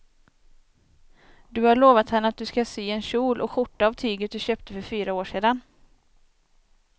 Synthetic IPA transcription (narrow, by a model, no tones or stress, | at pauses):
d̪ɵhaɭoːvat̪hɛnːəat̪̚d̪ɵskasiːɛnɕuːlʔɔɧʊʈːaːvt̪ʰyːɡət̪̚d̪ɵɕøːp̚t̪ʰəfœɾfyːɾaoːʂeːd̪an